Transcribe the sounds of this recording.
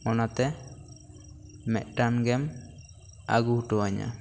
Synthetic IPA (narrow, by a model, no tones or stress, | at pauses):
ɔnat̪ɛ | mɛ̰ʔ̪̚ʈamɡɛm | a̰ɡuhuʈɔaɲa̰